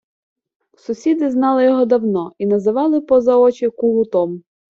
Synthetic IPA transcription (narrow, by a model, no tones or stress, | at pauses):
sʊsʲid̪ɪznɑlˠɪjɔɦɔd̪ɐwnɔinɐzɪʋɑlˠɪpɔzɐɔt͡ʃɪkuɦʊt̪ɔm